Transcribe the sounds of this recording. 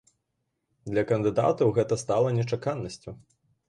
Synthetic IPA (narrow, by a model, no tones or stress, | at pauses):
d̪lʲɐkɐnd̪ɨd̪a̰t̪ɐwɣɛt̪ɐst̪alˠɐnʲɛt͡ʂakanːɐsʲt͡sʲu